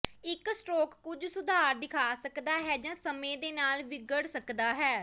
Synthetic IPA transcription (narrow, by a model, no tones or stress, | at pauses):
ɪksʈoːkːʊd͡ʒsʊd̪ʱaːɾd̪ɪkʰaːsəkd̪aːɦɛːd͡ʒãːsəmẽːd̪eːnaːlʋɪɡəɽsəkd̪aːɦɛː